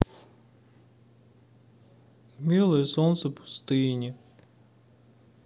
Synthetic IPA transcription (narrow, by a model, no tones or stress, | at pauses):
mʲilˠɐjsɔnt̪sɛpʊ̥st̪ɪnʲi